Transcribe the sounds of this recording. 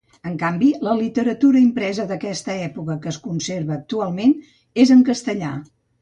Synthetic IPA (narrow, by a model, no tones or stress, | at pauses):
əŋkambiləlit̪əɾət̪uɾəimpɾɛzəðəkɛst̪əɛpukəkəːskunseɾβəːk̚t̪ualˠmen | ezəŋkəst̪əʎa̰